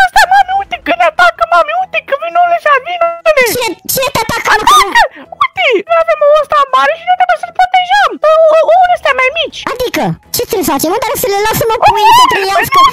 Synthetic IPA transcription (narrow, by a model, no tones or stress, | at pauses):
əst̪amameut̪ikɨneat̪akəmameut̪ikɨvinoleʃavinolet͡ʃiet͡ʃinet̪at̪akmakəut̪inojavemoost̪amaɾeʃinojt̪ɾebujesəlpɾot̪eʒəməonest̪ʲamajmit͡ʃʲad̪ikət͡ʃe̞t̪silfat͡ʃemot̪aɾsəlelasəmokuujnpet̪ɾijaskə